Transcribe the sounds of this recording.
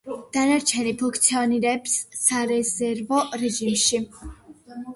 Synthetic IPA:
d̪̥anaɾt͡ʃʰɛnipʰũkʰt̪sʰiɔniɾɛpsːaɾɛzɛɾvɔɾɛʒimʃi

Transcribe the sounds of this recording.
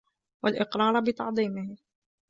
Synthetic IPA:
walʔɪqɾˤɑːɾˤbɪt̪ɑ̰ʕd̪ˤiːmɪh

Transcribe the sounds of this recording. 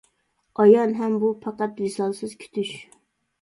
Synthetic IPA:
ɑjɑnɦɛmbupʰɑqɑt̪wisɑnsɨz̥kʲʰy̥t̪ʰyʃ

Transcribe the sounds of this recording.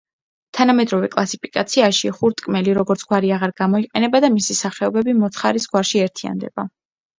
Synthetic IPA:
t̪ʰanamɛd̪ɾɔvɛkʼlˠasipʰi̥kʼat̪sʰiaʃiχuɾt̪ʼkʼmɛliɾɔɡɔɾt̪sʰɡwaɾiaʁaɾɡamɔiqʼɛnɛbad̪amisisaχɛɔbɛbimɔt̪ʰχaɾisɡwaɾʃiɛɾt̪ʰia̰nd̪ɛ̰b̥a

